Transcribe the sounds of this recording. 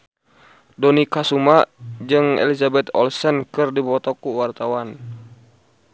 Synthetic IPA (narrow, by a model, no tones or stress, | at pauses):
dɔnikasumad͡ʒɨŋɛ̰lizabɛt̪ɔ̰lsɛnkɨrdipɔt̪ɔkuwart̪awan